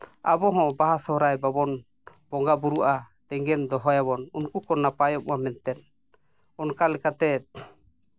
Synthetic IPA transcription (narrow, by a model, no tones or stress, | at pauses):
abɔɦɔ̃baɦasɔɾajbabɔn | b̥ɔŋɡabuɾuʔa | d̪ɛŋɡɛnd̪ɔɦɔjaβɔnunkukɔnapajɔm̚wamɛnt̪ɛn | ɔnkalɛkat̪ɛt̪̚